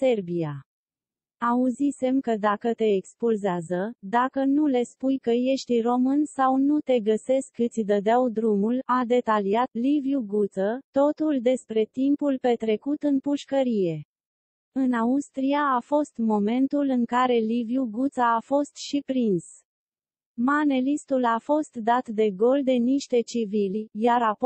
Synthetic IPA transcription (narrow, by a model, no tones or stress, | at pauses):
se̞rbija | auzise̞mkəd̪akət̪e̞ːkspulzeazəd̪akənule̞spujkəje̞ʃt̪iro̞mɨnsawnut̪e̞ɡəse̞skːɨt̪sʲd̪əd̪eawd̪ɾumulad̪e̞t̪aliat̪livjuɡut̪sət̪o̞t̪uld̪e̞spɾe̞t̪impulpe̞t̪ɾe̞kut̪ɨnpuʃkəɾije̞ | ɨnaust̪ɾiaːfo̞st̪mo̞me̞nt̪ulɨŋkaɾe̞livjuɡut̪saːfo̞st̪ʃipɾins | mane̞list̪ulafo̞st̪d̪at̪d̪e̞ɡo̞ld̪e̞niʃt̪e̞t͡ʃivilʲjaɾap